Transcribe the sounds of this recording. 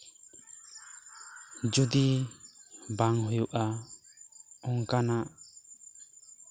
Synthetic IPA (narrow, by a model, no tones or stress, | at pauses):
d͡ʒud̪i | baŋɦujuʔa | ɔŋkanaʔ